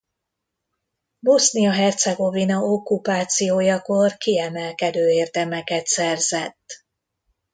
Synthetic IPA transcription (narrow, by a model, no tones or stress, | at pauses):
bo̞snijɒɦɛrt̪sɛɡo̞vinɒokːupaːt̪sijoːjɒko̞rkiɛmɛlkɛd̪øːeːrd̪ɛmɛkɛt̪sɛrzɛt̪ː